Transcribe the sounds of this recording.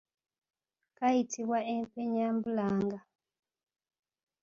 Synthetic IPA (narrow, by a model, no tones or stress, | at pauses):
kaitʰiβwaempeɲambulaːŋɡa